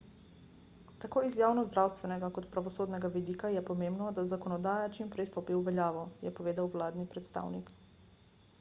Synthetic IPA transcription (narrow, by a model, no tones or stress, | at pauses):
t̪akoːizjaːwnɔzd̪ɾaːwst̪ʋɛnɛɡakɔt̪pɾaʋɔsoːd̪nɛɡaʋid̪iːkajɛpɔmembnɔd̪azakɔnɔd̪aːjat͡ʃimpɾɛjst̪opiuʋɛljaːʋɔjɛpɔʋeːd̪awwlaːd̪nipɾɛt̪st̪a̰ːwnik